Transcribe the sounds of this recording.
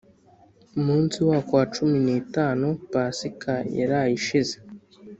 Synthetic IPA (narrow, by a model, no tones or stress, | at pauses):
umuːnsiwaːkwaːt͡ʃuminiːtaːnupaːsikʰaja̰ɾaːjiʃize